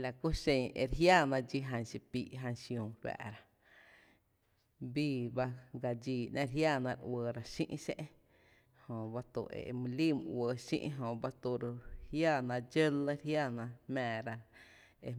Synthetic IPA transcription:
la˨ku˦ʃẽ˧˨ʔe˧ɾɦjaː˦˨nã˧d͡ʒi˧ɦã˧nsi˧pi˧˨ʔɦã˧nsjũ˧˨wa̰˧˨ɾa˧ | biː˦˧ba˦ɡa˧d͡ʒiː˧˨nʔã˦˧ɾɦjaː˦˨nã˧ɾwəː˧ɾa˧ʃḭ̃˦ʔsḛ̃˦ʔ | hõ˧ba˦t̪ṵ˧˨ḛ˨˧mũ˧li˦˨mɨ̃˧ʔwəː˧ʃḭ̃˦ʔɦõ˧ba˦t̪u˧ɾhjaː˦˧˨nã˧d͡ʒə˦lə˦ɾɦja˦˨nã˧hmɛ̃ː˧˨ɾa˧ | e˧

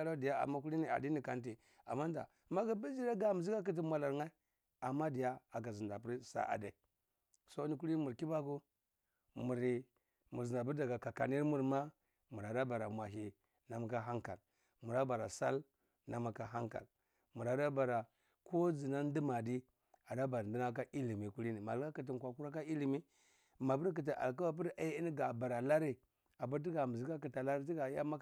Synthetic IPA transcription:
a˦ɾa˦di˨ja˦a̰˨ma˦ku˦li˦ni˨a̰˨di˦ni˨ka˨nt̬i˨ | a̰˨ma˦n˦da̰˨ma˦ɡa˦ba˦d͡ʒi˦ɾa˦ɡa˨m˨zi˦ka˦k̬i˦t̬i˦mʷa˨la˨ɾŋa˦i˦ | a˨mːa˦di˨ja˦a˨ɡa˨zi˨nda˨p̬u˦ɾsa̰˦ʔa̰˨da˨ | so˦ni˦ku˦ɾi˦mu˨ɾki˦ba˦ku˦ | mu˨ɾi˨ | mu˨zi˨nda˨bu˦ɾda˨ɡa˨ka˨ka˨ni˦ɾmu˦˨ɾma˦ | mu˨ɾa˨da˦ba˨ɾa˨mʷa˨ɦi˨ | na˨ma˨ka˦ɦa˦ŋka̰˨l | mu˨ɾa˦ba˨ɾa˨sa̰˦l | na˨ma˨ka˨ɦa˦ŋka̰˨l | mu˨ɾa˨da˦ba˨ɾa˨ | ko˦d͡zi˨na˦n˦di˦ma˨di˦ | a˨da˦ba˨ɾndi˦na˦k̬a˦ʔi˦li˨mi˨ku˦ɾi˦ni˨ma˨lka˦ki˨t̬i˨n˨kʷa˨ku˦ɾa˦ka˦i˦li˨mi˦ | ma˨pu˦ɾk̬i˨t̬i˨ʔa̰˨lk̬a˦wa˦p̬i˦ɾa˦i˦n˦ɡa˨ba˨ɾa˨la˦ɾi˦ | a˨ba˦ɾti˦ɡa˨m˨zi˦ka˦ki˨ta˨la˦ɾi˦t̬i˦ɡa˨ja˦ma˦

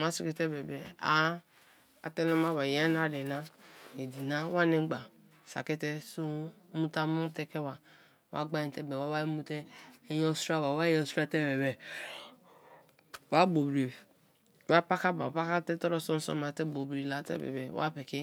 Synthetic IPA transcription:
ma˦si˦ke˨te˦be˨bɛ˨a̰˦ | a̰˨te˦nɔ˦ma˦ba˨ja˦n˦a˦˨de˨na˦e˨di˨na˦wa˦ne˦ɡ͡ba˨ | sa̰˨ke˦te˦su˦mu˦ta˦mu˦te˦ke˦wa˨ | wa̰˦ɡ͡ba˦ĩ˨te˦bɛ˨wa˦wa˦mu˦te˦jɔ˦su˦ɾa˦ba˨wa˦jɛ˦˨su˦ɾa˦te˦be˨bɛ˨ | wa˦bo˨bɾi˨ | wa˦pa˦ka˦ba˨pa˦ka˦tɛ˦tɔ˦ɾɔ˦sɔ˦n˦sɔ̰˦ma˨te˦bo˨bɾi˨la˨˦tḛ˦bɛ̰˨bɛ˨wa̰˦pe˨ke˦

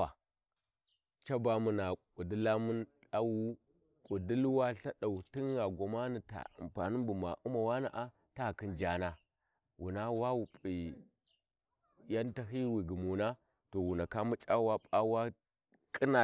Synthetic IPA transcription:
a˨ | t͡ʃa˦ba˨mu˨na˨ku˨di˦la˦mu˦nɗa˦wu˦ | kʼu˨di˦lwa˦ɬa˦ɗa˨u˨ti˦n˦ɣa˨ɡʷo˨ma˦ni˨ta̰˨a̰˨mpa̰˨ni˦bu˨ma̰˨ʔu˦ma˨wa˦na̰˨ʔa˦ | ta˦˨ki˦nd͡ʒa˨na˦ | wu˨na˦wa˦wu˨pʼi˨ | ja˦nta˦ɦi˦wi˨ɡi˨mu˨na˦ | to˨wu˨na˨ka˦mu˦t͡ʃʼa˦wa˦pʼa˦wa˦ | kʼi˦na˨

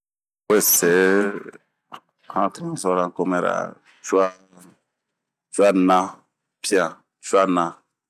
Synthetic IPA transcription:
we˦˨sɛ˨ | hã˦tɾɛ̃˦sɔ˦ɾã˦ko˦mɛ˦ɾa̰˨ | t͡ʃu˦a˦ | t͡ʃu˦a˦nã˦ | pi˦ã˨ | t͡ʃu˦a˦nã˨

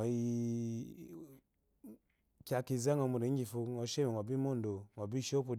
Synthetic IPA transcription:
ɔ˨i˨ | kʲa˨˧ki˨za˦ŋɔ˨mu˨ɾi˨˦ɡi˨fu˨ŋɔ˨˦ʃe˦me˨ŋɔ˨bi˦mo˦ndo˨ŋɔ˨bi˦ʃo˦pu˨

